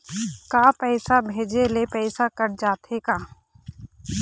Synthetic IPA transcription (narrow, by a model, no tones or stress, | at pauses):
kaːpɛːsabʱeːd͡ʒelepɛːsakəɾd͡ʒaːt̪ekaː